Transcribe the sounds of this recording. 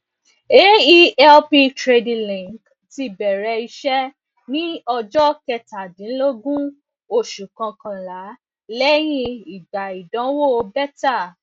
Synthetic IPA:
e˦i˦ɛ˦lpi˧tɾe˧di˧lĩ˨ŋk | ti˧bɛ˨ɾɛ˧i˧ʃɛ˦ | nĩ˦ɔ˧d͡ʒɔ˦kɛ˧ta˨dĩ˨˦lo˦ɡũ˦ | o˧ʃu˨kã˧kã˧la˨˦ | lɛ˦j̃ĩ˦˧i˨ɡ͡ba˨i˨dɔ̃˨˦wo˦˨o˧bɛ˦ta˦˨

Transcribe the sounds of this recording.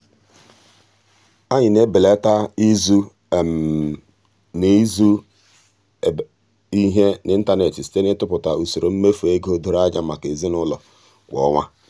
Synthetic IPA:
a˦ɲɪ˨ne˦bɪ˨le˦ta˦i˦zu˦˨ | m˨ | ne˨˦zu˦˨ | i˦ɦe˦nɪ˨n̩˦ta˦ne˨t͡ʃi˨si̥˦te˦nɪ˦tʊ˦pʊ˨ta˨u˨so˨ɾo˨m̩˦me˦fu˨e˦ɡo˦do˨ɾa˦d͡ʒa˦ma̰˨ke˨zi˦nʊ˦lɔ˨ | ɡʷɔ̰˨ŋʷa˦

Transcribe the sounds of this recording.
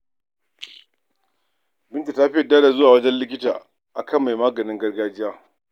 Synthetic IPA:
bɪ˦ntu˨ta˦ɸɪ˦jɐ˨daː˦da˨zʊ˦waː˨wɐ˦d͡ʒɛ˦nlɪ˦kʲɪ˦taː˨ | ʔa˨kɐ˦˨mːa˨jmaː˦ɡɐ˨nɪ˦ŋɡɐ˦rɡaː˦d͡ʒɪ˦jaː˦

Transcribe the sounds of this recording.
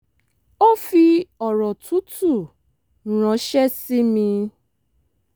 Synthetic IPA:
o˦fi˧ɔ˨ɾɔ˨tu˨˦tʰu˦˨ | ɾ̃ɔ̃˨˦ʃɛ˦si˦mĩ˧

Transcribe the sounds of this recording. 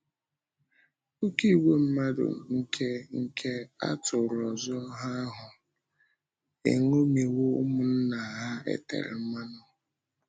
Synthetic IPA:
ʊ˦ki˦˨we˦m̩˦ma˦dʊ̰˨ŋ̩˦kʰe˦ŋ̩˦kʰe˦a̰˦tʊ˨ɾɔ˨zɔ˦ɦa˦ɦʊ˨ | ḛ˨ŋo˦me˨wo˦ʊ̰˦mʊ˨n̩˦na˨a˨ɦa˦ḛ˦tḛ˨ɾɪ̰˨m̩˦ma˦nʊ˨

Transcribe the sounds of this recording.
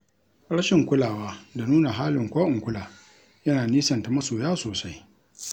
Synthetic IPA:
ɽɐ˦ʃɪ˨ŋkʷʊ˦laː˨waː˦da˨nuː˦na˨ɦaː˦lɪ˨ŋkʷaː˦ʔɪ˨ŋkʷʊ˦laː˨ | jɐ˦naː˨niː˦sɐ˨nta˨mɐ˦soː˨jaː˦soː˨sa˦j

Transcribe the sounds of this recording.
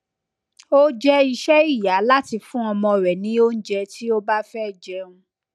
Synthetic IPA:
o˦d͡ʒɛ˦i˧ʃɛ˦i˦˨ja˨˦la˦ti˧fũ˦ɔ˧mɔ̃˧˨ɾɛ˨nĩ˨˦o˦n̩˦d͡ʒɛ˧tʰi˦o˦ba˦fɛ˦˨d͡ʒɛ˧ũ˧

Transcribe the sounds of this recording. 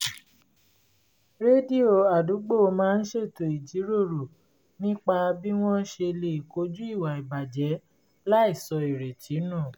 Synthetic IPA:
ɾe˦di˦˨o˨a˨du˨˦ɡ͡bo˦˨o˧mãː˦˧n̩˦ʃe˦˨to˨i˨d͡ʒi˨˦ɾo˦˨ɾo˨ | nĩ˦k͡pa˧bi˦w̃ɔ̃˦ʃe˧le˧˨ko˨˦d͡ʒu˦i˦˨wa˨i˨ba˨d͡ʒɛ˨˦ | la˦i˦˨sɔ˧i˨ɾe˨t͡ʃi˨˦nã˦˨

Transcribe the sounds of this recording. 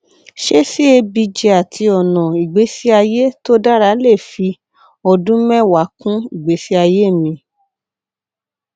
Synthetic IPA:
ʃe˦si˦e˧bi˧d͡ʒe˧a˨tʰi˧ɔ˨nɔ̃˨i˨ɡ͡be˨˦si˦a˧je˦to˦da˦ɾa˧˦le˦˨fi˧ | ɔ˧dũ˦mɛ̃˦˨wa˨˦kũ˦i˦˨ɡ͡be˨˦si˦a˧je˦˨mĩ˧

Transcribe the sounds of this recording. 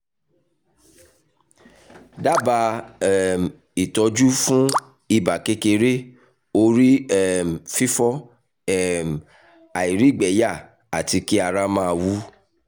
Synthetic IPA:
da˦ba˧˦ | m˨ | i˨tɔ˧d͡ʒu˦fũ˦ | i˦˨ba˨ke˦ke˧ɾe˦ | o˧ɾi˦ɛ˦m˨fi˦fɔ˦ | ɛ˦m˨ | a˨i˨ɾi˦˨ɡ͡bɛ˨˦ja˦˨ | a˨ti˧ki˦a˧ɾa˦mã˦˧wu˦

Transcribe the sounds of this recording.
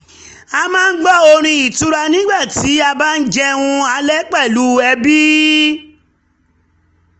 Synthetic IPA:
a˧mãː˦n̩˦ɡ͡bɔ˦˨o˧ɾ̃ĩ˧i˨tu˨˦ɾa˧nĩ˦ɡ͡ba˦˨ti˨˦a˧ba˦n̩˦d͡ʒɛ˧w̃ũ˧a˧˦lɛ˦k͡pɛ˦˨lu˨˦ɛ˧bi˦

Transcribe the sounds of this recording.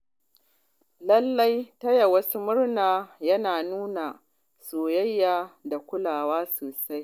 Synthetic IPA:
lɐ˦lːa˦jtɐ˦ja˨wɐ˦su˦mʊ˦rnaː˨jɐ˦naː˨nuː˦na˨ | soː˨jɐ˦jːaː˨da˨kʷʊ˦laː˨waː˦soː˨sa˦j

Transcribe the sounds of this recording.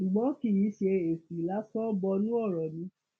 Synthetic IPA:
ʃu˨ɡ͡bɔ̃˨˦ki˦˨ji˨˦ʃe˧e˨fi˨la˨˦sɔ˦bɔ˧nũ˦ɔ˦˨ɾɔ˨nĩ˧˦

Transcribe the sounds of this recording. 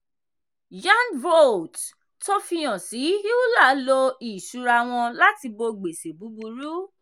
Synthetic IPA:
d͡ʒã˦nvo˦˨t | to˦fi˧j̃ɔ̃˨si˨˦i˦u˦la˦˨˦lo˧i˨ʃu˨˧˦ɾa˧w̃ɔ̃˧la˦ti˧bo˧ɡ͡be˨se˨bu˨˦bu˧ɾu˦

